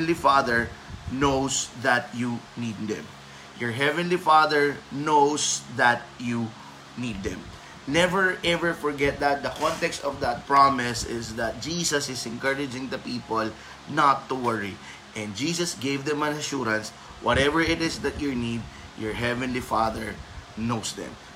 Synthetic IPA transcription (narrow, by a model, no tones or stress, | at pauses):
nlifaðɛɹnowsðɐt̪̚junid̪̚d̪ɛ̰̃m | jɔɹɦɛvɛ̃nlifaðɛɹnowsðɐt̪̚ju | nid̪̚ːɛ̰̃m | nɛvɛɹʔɛvɛɹfɔɹɡɛt̪̚d̪ɐt̪̚d̪ɐkɔ̃nt̪ɛkst̪ɔvd̪ɐt̪̚pɹamɪsɪsðɐt̪̚d͡ʒiːsɐsɪsɛ̃nkɜɹɪd͡ʒɪ̃ŋd̪ɐpiːpɔl | nat̪ːʊwɛɹi | ʔɛ̃nd̪̚d͡ʒiːsɐsɡejvd̪ɛ̃mɐ̃nɐʃuɾɐ̃ns | wʔɔt̪ɛvɛɹɪt̪ɪsd̪ɐt̪̚jɔɹnid̪̚ | jɔɹɦɛvɛ̃nlifaðɛɹnowsd̪ɛ̰̃m